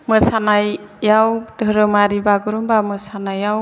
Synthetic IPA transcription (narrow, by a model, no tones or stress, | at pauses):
mɯsanajjawd̥ʱɯɾɯmaɾibaɡɯɾɔmbamɯsanajaw